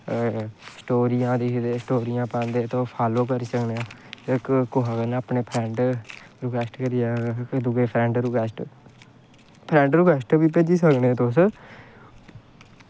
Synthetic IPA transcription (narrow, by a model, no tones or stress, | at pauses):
sʈoːɾiːãːd̪ed̪eːsʈoːɾiːjãːpãːnd̪eːt̪õːpʰaːloːkəɾiːsəkneãːəkkoɦaɡənaːpneːpʰɾɛ̃ːɳʈɾʊkɛːsʈkəɾiːaːd̪ʊɡeːpʰɾɛ̃ɳʈɾukɛːsʈ | pʰɾɛ̃ɳɖɾukɛːsʈbiːpeːd͡ʒiːsəkneːt̪ʊs